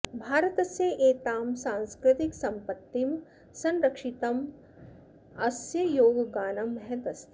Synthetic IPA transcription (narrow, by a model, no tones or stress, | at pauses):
bʱaːɾɐt̪ɐseʔeːt̪aːmsaːnskɾɪt̪iksɐmpət̪ːim | sɐ̃nɾɐkʂit̪ɐm | ɐsjɐjoːɡɡaːnɐmːɛɦɛt̪ɐst̪ʰ